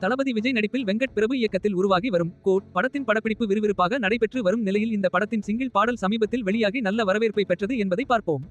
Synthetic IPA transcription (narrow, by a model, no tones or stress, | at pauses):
t̪ɐlɐbɐðiʋɪd͡ʒɐɪnɐɽɪpːɪlʋɛŋɡɐʈ̚pɪɾɐbɯɪjɐkːɐt̪ːɪlʊɾʊʋaːɣiʋɐɾɯmkoːʈ̚pɐɽɐt̪ːɪnpɐɽɐpːɪɽɪpːɯʋɪɾɯʋɪɾɯpːaːɣɐnɐɽɐɪpɛʈrɯʋɐɾɯmnɪlɐjɪlɪnd̪ɐpɐɽɐt̪ːɪnsɪŋɡɪɭpaːɽɐlsɐmiːbɐt̪ːɪlʋɛɭɪjaːɣinɐlːɐʋɐɾɐʋeːɾpɐɪpɛʈrɐðɯɛnbɐðɐɪpːaːɾpoːm